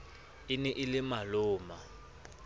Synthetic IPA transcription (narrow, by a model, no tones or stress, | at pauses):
ɪnɛʔɪlɪmalʊːma